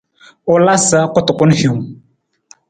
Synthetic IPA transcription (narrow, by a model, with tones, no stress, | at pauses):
ʊ˨la˦sə˦kʊ˦tʊ˨kʊ˦nhu˨ŋ